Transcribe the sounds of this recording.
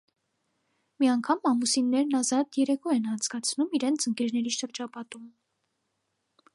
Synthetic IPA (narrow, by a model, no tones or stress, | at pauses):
miɑŋkʰɑmɑmusinːɛɾnɑzɑt̪jɛɾɛkʰɔɛnɑnt͡sɡɑt͡sʰnumiɾɛnt͡sʰəŋkɛɾnɛɾiʃəɾd͡ʒɑpɑt̪um